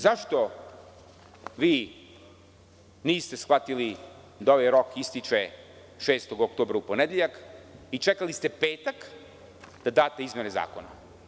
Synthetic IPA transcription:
zaʃt̪o̞ | ʋiː | niːst̪esxʋat̪ili | d̪ao̞ʋajɾo̞kist̪it͡ʃe | ʃeːst̪o̞ɡokt̪oːbɾaupo̞ned̪jeʎakit͡ʃekalist̪e̞peːt̪ak | d̪̥ad̪aːt̪e̞izmjeneza̰ːko̞̰na̰

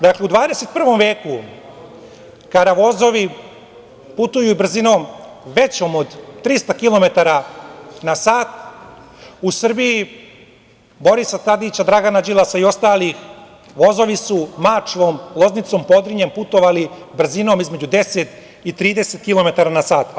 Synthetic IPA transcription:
d̪akle̞ud̪ʋaːd̪eset̪̚pr̩ʋo̞mʋe̞ːku | kad̪aʋo̞zo̞ʋi | put̪ujubr̩zino̞ːm | ʋe̞t͡ɕoːmod̪ːɾist̪akilo̞me̞t̪aɾanasaːt̪ | usr̩biji | bo̞ɾisat̪ad̪iːt͡ɕad̪ɾaɡanad͡ʑilˠasaio̞st̪aːlix | ʋo̞zoʋisumat͡ʂʋo̞ːmlˠo̞znit̪so̞ːmpo̞d̪ɾiɲe̞mput̪o̞ʋalibr̩zino̞ːmizme̞d͡ʑud̪e̞set̪ | it̪ɾiːd̪e̞set̪̚kilˠo̞me̞t̪aɾanasaːt̪

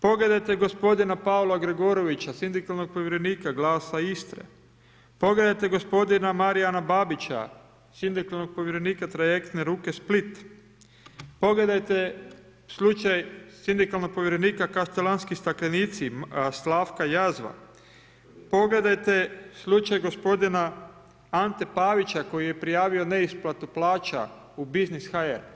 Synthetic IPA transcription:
po̞ɡle̞d̪ajt̪e̞ɡo̞spo̞d̪inapaolˠaɡɾeɡoɾo̞ʋit͡ɕasind̪ikalno̞ɡ̚poʋjeɾe̞niːkaɡlaːsaist̪ɾḛ | po̞ɡle̞d̪ajt̪e̞ɡo̞spo̞d̪inamaɾianabaːbit͡ɕa̰ | sind̪ikalˠnoɡ̚po̞ʋjeɾe̞niːkat̪ɾajekt̪neɾuːke̞split̪ | po̞ɡle̞d̪ajt̪e | slˠut͡ʃajsind̪ikalˠno̞ɡ̚po̞ʋjiɾe̞niːkakast̪elanskist̪aklʲeniːt̪sislaːfkajazʋa̰ | po̞ɡle̞d̪ajt̪e̞slˠut͡ʃajɡo̞spo̞d̪ina | ant̪e̞paːʋit͡ʃako̞jije̞pɾijaːʋio̞ne̞isplat̪uplˠaːt͡ʃa̰ | ubiznisxaeɾ

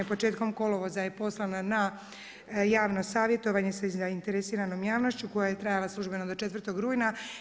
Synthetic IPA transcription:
epo̞t͡ʃe̞ːt̪ko̞mko̞loʋozajepo̞slˠanana | jaːʋno̞saːʋje̞t̪o̞ʋaɲesazaint̪eɾesiːɾano̞mjaːʋno̞ʃt͡ɕuko̞jaje̞t̪ɾajalˠaslˠuʒbe̞nad̪ot͡ʃe̞t̪ʋrt̪o̞ɡɾuːjna

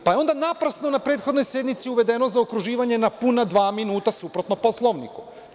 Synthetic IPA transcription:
pajeo̞nd̪anapɾasnonapɾeːt̪xod̪no̞jsje̞d̪nmit̪siuʋe̞d̪e̞nozaokɾuʒiːʋaɲe̞napunad̪ʋaːminuːt̪asupɾo̞t̪nopo̞slˠoʋnḭku

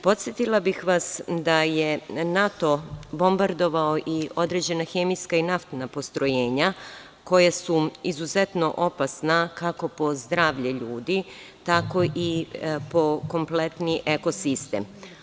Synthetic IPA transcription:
po̞t̪sjet̪ilˠabixʋasd̪ajenat̪o̞bo̞mbaɾd̪o̞ʋaoʔio̞d̪ɾe̞ːd͡ʑe̞naxemijskainaft̪napo̞st̪ɾo̞jeːɲa | ko̞jasuizuze̞t̪no̞ʔo̞pasnakako̞po̞zd̪ɾaːʋʎeʎuːd̪i | t̪ako̞ʔipo̞ko̞mple̞t̪niʔeko̞sist̪ḛm

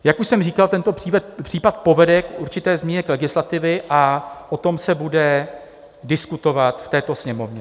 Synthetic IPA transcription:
jakuʃsɛmriːkalt̪ɛnt̪o̞pr̥iːvɛr̥iːpat̪̚po̞vɛdɛkʔuɾt͡ʃɪt̪ɛːzmɲiɲɛklɛɡɪslat̪ɪvɪʔaʔot̪o̞msɛbudɛ | dɪskut̪o̞vat̪ft̪ɛːt̪o̞sɲɛmo̞vɲɛ

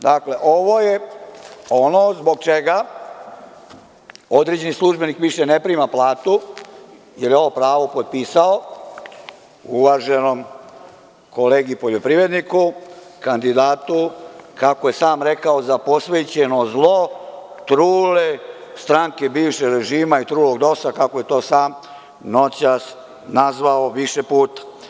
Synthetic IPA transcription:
d̪akle̞ʔoʋo̞je | onozbo̞ɡ̚t͡ʃeɡa | o̞d̪ɾed͡ʑe̞nislˠuʒbe̞nikʋiʃenepɾiːmaplˠaːt̪u | jeljeo̞ʋopɾaːʋo̞pod̪̚piːsao | uʋaːʒe̞no̞m | ko̞leːɡipo̞ʎo̞pɾiʋe̞d̪niku | kand̪id̪aːt̪ukako̞je̞saːmɾe̞kaozapo̞sʋet͡ɕeno̞zlˠo̞ | t̪ɾuːlest̪ɾaŋke̞biːʋʃeɾe̞ʒiːmait̪ɾuːlo̞ɡd̪o̞sakakoje̞t̪o̞ːsaːm | no̞t͡ɕas | nazʋaoʋiʃe̞puːt̪ḁ

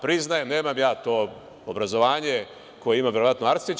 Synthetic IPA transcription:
pɾiznajene̞ːmamjaːt̪o̞ː | obɾazo̞ʋaːɲe̞ | ko̞jeimaʋjeɾoʋat̪noaɾt̪sit͡ʃ

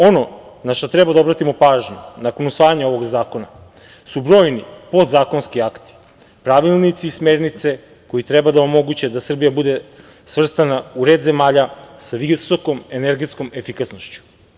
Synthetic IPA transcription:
o̞no̞ | naʃt̪o̞t̪ɾɛbad̪ao̞bɾat̪imo̞paːʒɲunako̞nusʋaːjaɲao̞ʋo̞ɡzaːko̞na | subɾo̞ːjnipo̞d̪zaːkonskiakt̪i̥ | pɾaʋilˠnit̪siːsme̞ɾnit̪se̞ | ko̞jit̪ɾɛbad̪aomo̞ɡut͡ɕed̪asr̩bijabud̪e̞ | sʋr̩st̪anauɾed̪zemaːʎasaʋiso̞ko̞me̞neɾɡet̪sko̞me̞fikasnoʃt͡ɕu̥

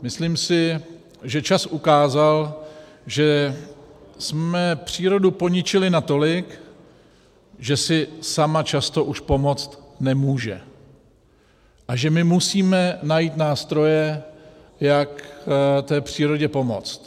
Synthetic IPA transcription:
mɪsliːmsɪ | ʒɛt͡ʃasʔukaːzal | ʒɛ | smɛpr̥iːɾo̞dupo̞ɲɪt͡ʃɪlɪnat̪o̞lɪk | ʒɛsɪsamat͡ʃast̪o̞ʔuʃpo̞mo̞t͡st̪nɛmuːʒɛ̰ | ʔaʒɛmɪmusiːmɛnajit̪naːst̪ɾo̞jɛ | jakt̪ɛːpr̝̥iːɾo̞ɟɛpo̞mo̞̰t͡st̪

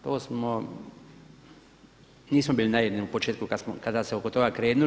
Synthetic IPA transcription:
t̪oːsmo | niːsmobiːlinajid̪niupo̞t͡ʃeːt̪kukasmokad̪aseokot̪o̞ɡakɾeːnu

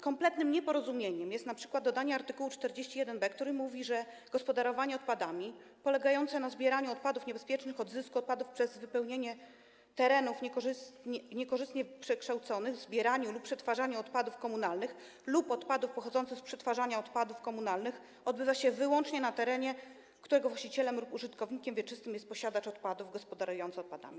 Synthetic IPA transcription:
kɔmplɛt̪nɘmɲɛpɔɾɔzumʲjeɲɛmjɛst̪napʂɘ̥kwad̪̚dːɔd̪aɲɛaɾt̪ɘkuwut͡ʂt̪ɛɾd͡ʑeɕt͡ɕijɛd̪ɛnbɛkt̪uɾimuvʲiʐɛ | ɡ̥ɔspɔd̪aɾɔvaɲɛɔt̪̚pad̪amʲi | pɔlɛɡajɔnt̪sɛnazbʲjɛɾaɲuɔt̪̚pad̪ufɲɛbɛspʲjɛt͡ʂnɘxɔd̪zɘskuɔt̪̚pad̪ufpʂɛzvɘpɛwɲeɲɛ | t̪ɛɾɛnufɲɛkɔʐɘst̪ɲɛɲɛkɔʐɘst̪ɲɛpʂɛkʂt̪awt̪sɔnɘɣzbʲjɛɾaɲuluppːʂɛt̪faʐaɲuɔt̪pad̪ufkɔmunalnɘx | lupɔt̪pad̪ufpɔxɔd̪zɔnt̪sɘxspʂɛt̪faʐaɲaɔt̪pad̪ufkɔmunalnɘx | ɔd̪̚bɘvaɕɛvɘwɔnt͡ʂɲɛnat̪ɛɾɛɲɛ | kt̪uɾɛɡɔvwaɕt͡ɕit͡ɕɛlɛmlupuʐɘt̪kɔvɲikʲɛmvʲjɛt͡ʂɘst̪ɘmjɛst̪̚pɔɕad̪at͡ʂɔt̪pad̪uvɡɔspɔd̪aɾujɔnt̪sɔt̪̚pad̪a̰mʲi

